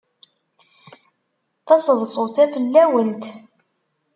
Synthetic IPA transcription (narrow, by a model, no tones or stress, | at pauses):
θɑsəðˤsˤot͡sæfəlːæwənt̪